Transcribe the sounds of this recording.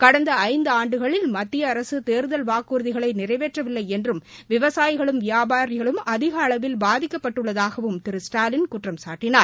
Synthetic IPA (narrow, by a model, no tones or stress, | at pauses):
kɐɽɐnd̪ɐɐɪnd̪ɯaːɳɖɯɣɐɭɪlmɐt̪ːɪjɐːɾɐsɯt̪eːɾðɐlʋaːkuːɾðɪɣɐɭɐɪnɪrɐɪʋeːʈrɐʋɪlːɐɪɛndrɯmʋɪʋɐsaːjɪɣɐɭɯmʋɪjaːbaːɾɪɣɐɭɯmɐðɪɣɐːɭɐʋɪlbaːðɪkːɐpːɐʈːɯɭːɐðaːɣɐʋɯmt̪ɪɾɯsʈaːlɪnkʊʈrɐmsaːʈːɪnaː